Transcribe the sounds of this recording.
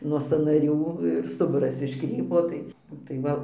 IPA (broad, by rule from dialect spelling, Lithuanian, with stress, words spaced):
nuɔ sɑːnɐˈrʲuː ɪr ˈstʊbʊrɐs ɪʃˈkrʲiːpoː ˈtɐɪ nʊ tɐɪ ˈʋɐ